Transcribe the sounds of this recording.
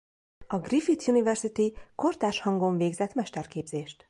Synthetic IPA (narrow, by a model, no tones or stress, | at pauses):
ɒɡrifit̪junivɛrsit̪iko̞rt̪aːʃhɒŋɡoɱveːɡzɛt̪mɛʃt̪ɛrkeːbz̥eːʃt̪